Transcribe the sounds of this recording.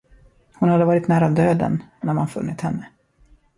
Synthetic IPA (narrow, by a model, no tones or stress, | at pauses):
hʊnhad̪ːəvɑːɾɪt̪næːɾavd̪øːd̪ə̰nːæɾmanfɵ̰nːɪt̪hɛnːə